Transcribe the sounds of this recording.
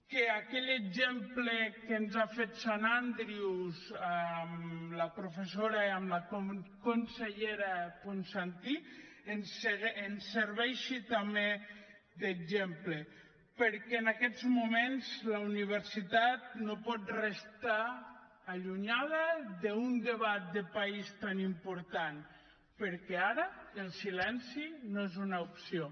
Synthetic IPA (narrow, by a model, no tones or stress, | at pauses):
keakɛʎeɡzemplekenzafet̪sanand̪ɾiwzamləpɾufesoɾaamlakokonseʎeɾapunsant̪i | ensenseɾβɛʃit̪ame | ðeɡzemple | pəɾkɛːnakɛzmumenzzləuniβ̞eɾsit̪at̪̚nopɔt̪rest̪aː | ʎuɲaðəðeund̪eβat̪̚d̪epaist̪animpuɾt̪an | pəɾkɛaɾəelˠsilɛnsinoezunaupsio